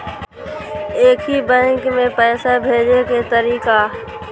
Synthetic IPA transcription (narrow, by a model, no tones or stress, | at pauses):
eːkʰɦibɛ̃ŋkmẽpɛːsabʱeːd͡ʒeket̪əɾiːka